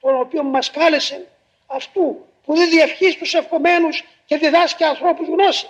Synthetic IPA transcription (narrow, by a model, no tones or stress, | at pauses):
t̪o̞no̞pio̞nmɐskɐlesen | ɐft̪u | puðenðiefçist̪usːe̞fxo̞me̞nus | ce̞ðiðɐsciɐːnθɾo̞puzɣno̞si̥